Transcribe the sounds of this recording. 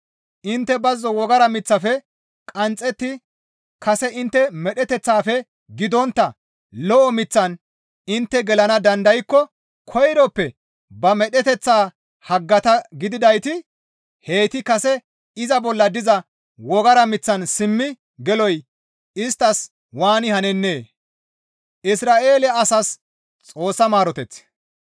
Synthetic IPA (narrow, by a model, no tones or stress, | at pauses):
ʔɪnt̪ːɛbɐzːɔwɔɡɐɾɐmɪt͡sːɐfɛ | kʼɐnt͡sʼːɛt̪ːɪ | kɐsɛʔɪnt̪ːɛmɛɗɛt̪ɛt͡sːaːfɛ | ɡɪd̪ɔnt̪ːɐ | lɔʔɔmɪt͡sːɐn | ɪnt̪ːɛɡɛlɐnɐd̪ɐnd̪ɐjkːɔ | kʰɔjɾɔpːɛ | bɐmɛɗɛt̪ɛt͡sːaː | hɐɡːɐt̪ɐɡɪd̪ɪd̪ɐjt̪ɪ | he̞ːt̪ɪkɐsɛ | ɪzɐbɔlːɐd̪ɪzɐ | wɔɡɐɾɐmɪt͡sːɐnsɪmːɪ | ɡɛlɔj | ɪst̪ːɐs | waːnɪhɐnɛnːe̞ː | ʔɪsɾaːʔe̞ːlɛɐsɐs | t͡sʼo̞ːsːɐmaːɾɔt̪ɛt͡sː